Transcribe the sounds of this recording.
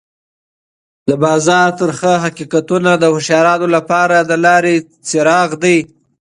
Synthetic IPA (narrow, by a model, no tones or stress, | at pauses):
d̪əbɑzɑɾt̪əɾxəɦaqikat̪unad̪əhɪʃɑɾɑnolapɑɾad̪əlɑɾe | t͡sɪɾɑɣd̪ij